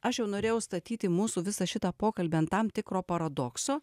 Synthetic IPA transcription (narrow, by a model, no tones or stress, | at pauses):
ɐʃjɛʊnoːɾʲeːjɛʊst̪ɐt̪ʲiːt̪ʲɪmuːsuːʋʲɪsɐʃʲɪt̪ɑpoːkɐlʲbʲeɐnt̪ɐmt̪ʲɪkɾoːpɐɾɐd̪oːksoː